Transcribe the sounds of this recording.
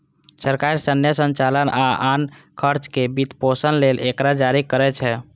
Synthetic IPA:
səɾkaɾisənjəsənt͡ʃalənaankʰəɾt͡ʃkebit̪posənlelekɾad͡ʒaɾikəɾɛt͡ʃʰɛ

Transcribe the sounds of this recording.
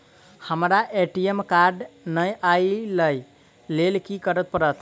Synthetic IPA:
həmɾaʔeʈiemkaɾɖnəjʔailəj | lelkikəɾət̪̚pəɾət̪ʰ

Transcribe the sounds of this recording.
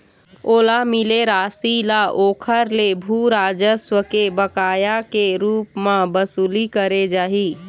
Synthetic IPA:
oːlamileɾaːsilaʔoːkʰəɾlebʱuɾaːd͡ʒəswəkebəkaːjakeɾuːpmãbəsuːlikəɾed͡ʒaːɦiː

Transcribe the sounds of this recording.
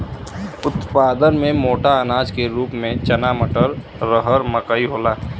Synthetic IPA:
ʊt̪paːd̪ənmẽmoːʈaənaːd͡ʒkeɾuːpmẽt͡ʃənaːməʈəɾ | ɾəɦəɾməkəiɦoːlaː

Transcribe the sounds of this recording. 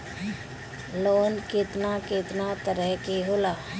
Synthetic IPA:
loːnkɪt̪nakɪt̪nat̪əɾəɦkeɦoːlaː

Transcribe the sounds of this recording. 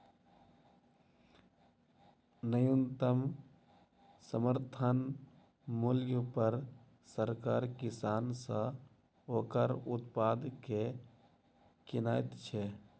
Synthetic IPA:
nəjunt̪əm | səməɾt̪ʰən | muljəpəɾ | səɾkaːɾkɪsaːnsə̃ | oːkəɾʊt̪paːd̪ke | kɪnaːɪt̪t͡ʃʰɛ

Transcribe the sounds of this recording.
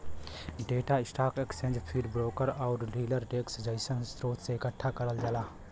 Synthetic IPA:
ɖeːʈaɪsʈaːkekst͡ʃẽːnd͡ʒpʰiɾbɾoːkəɾɔːɾɾiːləɾʈeːksd͡ʒəɪsənsɾoːt̪ʰseɪkəʈʰːakɐɾəld͡ʒəlaː

